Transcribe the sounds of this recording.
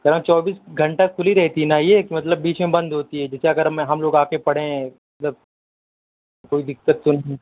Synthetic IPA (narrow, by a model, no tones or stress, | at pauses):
kɐɾãmt͡ʃɔːbiːsɡʱɐɳʈakkʰːʊliɾɛɦt̪inajekimɐt̪̬ləbːiːt͡ʃmẽbɐ̃nd̪ɦoːt̪iɦɛd͡ʒɛseɐɡəɾmɦɐmloːɡaːkepɐɽ̤ẽɦɛ̃mɐt̪ləb̚ | koːid̪ɪkːət̪ːonɐɦiĩ